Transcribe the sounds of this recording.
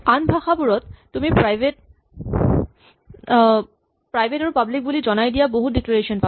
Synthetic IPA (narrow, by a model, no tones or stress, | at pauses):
anbʱaxʰapuɾɔt̪ːumipajbet | pɾajbʱeʈaɾupablik̚bulid͡ʑɔnajd̪ijaboɦudikloɾeʃonpa